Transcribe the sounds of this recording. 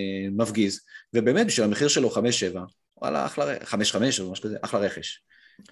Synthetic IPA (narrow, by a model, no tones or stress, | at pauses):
mafɡizvebe̞ːmet̪̚biʃvilameχiʁʃelo̞χameʃːeva | a̰la̰a̰χlaʁeχameʃχame̞ʃmaʃkazeʔaχlaʁeχeʃ